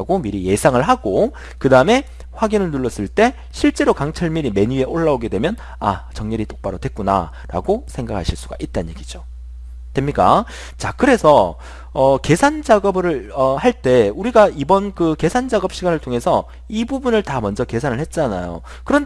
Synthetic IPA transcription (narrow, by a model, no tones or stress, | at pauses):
ɡomiɾije̞sʰaŋɯɭɦaɡ̥o | kɯdaɯme̞ | ɸwaɡinɯɭnuɭːʌs͈ɯɭt͈e̞ | ɕʰiɭt͡ɕ͈e̞ɾokaŋt͡ɕʰʌɭmiɾime̞ɲue̞ʔoɭːaoɡe̞dwe̞mjʌn | a̰t͡ɕʌŋɲʌɾit͈ok̚p͈aɾʌdwe̞k͈una̰ | ɾa̰ɡosʰe̞ŋɡakʰaɕʰiɭs͈uɡ̥a̰ʔit̚t͈anɲje̞ɡid͡ʑo | twemɲik͈a̰ | t͡ɕakɯɾe̞sʰʌ | ʌke̞sʰand͡ʑaɡʌbɯɾɯɭʌhaɭt͈e̞uɾiɡaibʌnkɯke̞sʰand͡ʑaɡʌp̚ɕ͈ʰiɡanɯɭtʰoŋe̞sʰʌ | ibubunɯɭtamʌnd͡ʑʌke̞sʰanɯɭhe̞t̚t͡ɕ͈ana̰jo̰ | kɯɾʌn